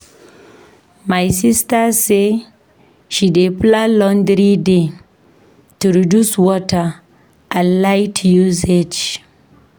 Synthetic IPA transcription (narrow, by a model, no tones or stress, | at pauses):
majsistase | ʃideplalɔ̃nd̪ɾide | tuɾiduswɔta | ʔalajtjused͡ʒ